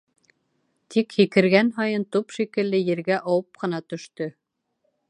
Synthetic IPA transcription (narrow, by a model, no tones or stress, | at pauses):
t̪ikhikɘ̆ɾɡænɦɑjɤnt̪upʃikɘ̆lːɘjɘ̆ɾɡæʔɑwɤp̚qɤ̆nɑt̪ɵ̆ʃt̪ɵ